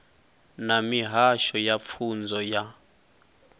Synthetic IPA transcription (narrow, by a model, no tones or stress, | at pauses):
namiɦaʃɔjap̪fʰund͡zʱɔja